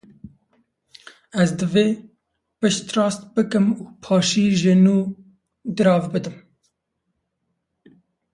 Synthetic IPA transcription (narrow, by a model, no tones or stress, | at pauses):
ɛzd̪ɨveː | pɨʃt̪rɑːst̪̚bɨkɨmuːpʰɑːʃiːʒɪnuː | d̪ɨɾɑːvbɨd̪ɨm